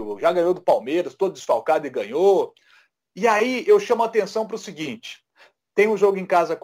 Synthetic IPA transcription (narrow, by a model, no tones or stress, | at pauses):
vʒaɡɐ̃ɲ̃od̪ʊpawmeɾɐst̪od̪ʊd̪ɪsfawkad̪ʊɪɡɐ̃ɲo | ɪaiewʃɐ̃mʊat̪ẽsɐ̃w̃pɾʊsiɡĩt͡ʃɪ̥ | t̪ẽj̃ũʒoɡʊẽj̃kazɐk